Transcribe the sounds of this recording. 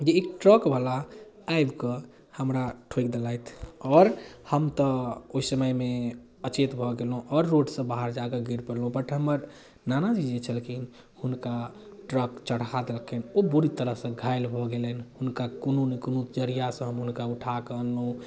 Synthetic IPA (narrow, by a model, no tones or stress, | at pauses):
d͡ʒeːkʈɾəkbʱəla | ajbkə | həmɾaʈʰojkd̪elajt̪ʰɔːɾhəmt̪əoisəməjme | ət͡ʃet̪bʱɔɡelɦũʔɔːɾːoɖsə̃baɦaɾd͡ʒaɡəɡʱiɾpəɾlũbəʈʰɦəməɾ | nanad͡ʒid͡ʒet͡ʃʰəlkʰin | hunkaʈɾəkt͡ʃəɽ̤kad̪elkʰenobuɾit̪əɾəɦsə̃ɡʱajlbʱɔɡelənhunkakonunəkonud͡ʒəɾijasə̃ɦəmɦunkauʈʰakəənũ